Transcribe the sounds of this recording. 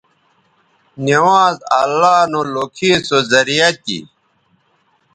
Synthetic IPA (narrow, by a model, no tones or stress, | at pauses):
niwaːzɐ̰lːaːnolokʰiːsozɐɾijɐt̪ḭ